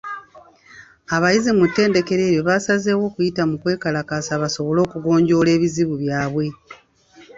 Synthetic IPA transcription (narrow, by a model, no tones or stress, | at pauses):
aβajizimutːe̞ːnde̞ke̞ɾe̞ːɾjo̞βasaze̞ːwo̞ːkujitamukwe̞ːkalakasaβaso̞βo̞lo̞ːkuɡo̞ːɲɟo̞ːle̞ːβiziβuβjaːβwe̞